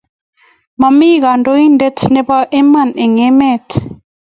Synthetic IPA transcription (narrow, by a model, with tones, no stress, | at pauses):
ma˨mi˦ɣa˨ndo˦i˦nde˦t̪nɛ˦ba˦ʔe˦ma˦˨ne˨ŋe˦mɛ˦˨t